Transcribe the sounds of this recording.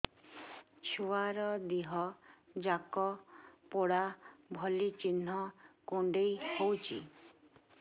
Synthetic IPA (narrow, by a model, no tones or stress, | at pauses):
t͡ʃʰuwaɾɔd̪iɦɔd͡ʒakɔpɔɽabʱɔlit͡ʃin̤ɔkuɳɖejhowt͡ʃʰḭ